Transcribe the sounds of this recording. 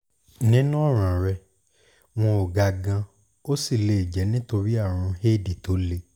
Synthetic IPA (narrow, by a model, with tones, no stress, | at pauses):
nĩ˨˦nũ˦ɔ˦˨ɾ̃ã˨ɾɛ˧ | w̃ɔ̃˧o˨ɡa˧ɡã˧ | o˦si˦˨le˨i˨d͡ʒɛ˨˦nĩ˦to˧ɾi˦a˦˨ɾ̃ũ˧he˦˨di˨to˨˦le˧